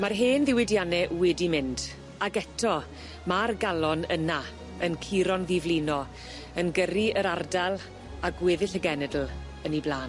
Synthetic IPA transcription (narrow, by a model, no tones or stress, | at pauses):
marɦeːnðɪwɪdjanɛʔwɪdimɪnd | aɡɛtʰɔ | marɡalˠɔnə̰na | ənkʰiɾɔnðɪvlinɔ | ənɡəriəɾardalˠ | aɡwɪðɪɬəɡɛnɛdl̩ˠ | əniblaːn